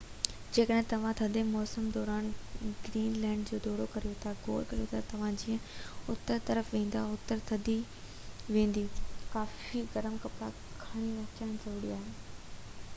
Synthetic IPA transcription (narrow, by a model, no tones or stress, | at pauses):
d͡ʑeːkəɗɦɪ̃t̪ɐʋ̤ãt̪ʰɐd̪emɔːsəmd̪ɔːɾaːnɡɾiːnlɛ̃ːɳɖd͡ʑoːd̪ɔːɽokɐɾijot̪ʰaɡoːɾkɐɾijot̪ʰat̪ɐʋ̤ãd͡ʑiːə̃ʊt̪ːəɾt̪ɐɾəfʋẽːn̆d̪aʊt̪əɾt̪ʰɐd̪i | ʋẽːnd̪ikaːfiɡɐɾəmkɐpɾa | kʰaːɽ̃iʋɐkjaːñzɐɾuːɽiaːɦeː